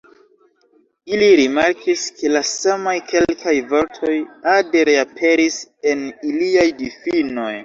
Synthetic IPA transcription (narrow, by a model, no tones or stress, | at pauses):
iliɾimaɾkʰiskʰe̞lasamajkʰe̞llkʰajvo̞ɾtʰo̞jade̞ɾeapʰe̞ɾise̞niliajdifino̞j